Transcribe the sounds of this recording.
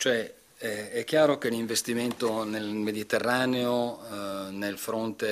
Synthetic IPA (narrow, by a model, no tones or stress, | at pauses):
t͡ʃoɛ | ɛɛkːjaːɾok̟eliɱvest̪iment̪onelmed̪it̪erːaːneo | nelfɾont̪e